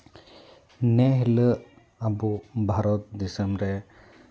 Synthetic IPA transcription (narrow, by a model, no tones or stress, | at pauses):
nɛɦilə | abubʱaɾɔt̪̚d̪isemɾɛ